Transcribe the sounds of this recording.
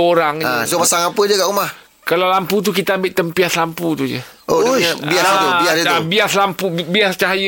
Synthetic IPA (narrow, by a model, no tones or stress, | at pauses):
oɾaŋəsopasaŋapəd͡ʒəkaʔumah | kalalamput̪̬ukit̪aambɪʔt̪əmpiaslamput̪ud͡ʒə̰ | ʔobiaubiasdət̪abiaslampubiast͡ʃaɦaj